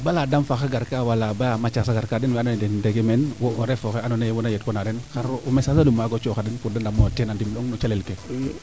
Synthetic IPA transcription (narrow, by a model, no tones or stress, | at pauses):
baladamfaxaɡaɾkawalabajamat͡ʃasaɡaɾkadɛnwɛanɔnɛdɛndeɡemɛnwɔʔɔɾɛfɔxɛanɔnewɔnajet̚kɔnadɛnxaɾumɛsasadumaɡɔt͡ʃɔxadɛnfudandamɔtɛnandimlɔŋnɔt͡ʃalɛlkɛ